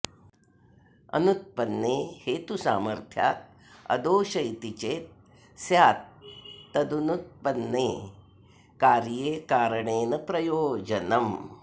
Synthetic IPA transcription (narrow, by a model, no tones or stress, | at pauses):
ɐ̰nut̪̚pɐnːeːheːt̪usa̰ːmɐɾt̪ʰja̰ːt̪̚ | ɐ̰d̪oːʃɐjt̪it͡ʃeːt̪̚ | sjaːt̪̚ː | ɐd̪unut̪̚pɐnːeː | kaːɾjeːkaːɾɐɳeːnɐpɾɐjoːd͡ʒɐnɐm